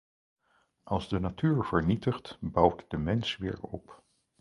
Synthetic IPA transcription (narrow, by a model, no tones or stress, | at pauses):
ʔɑlˠzdənatyːɹv̥əɹnitəχtbʌwtdəmɛnsʋɪ̰ːɹɔp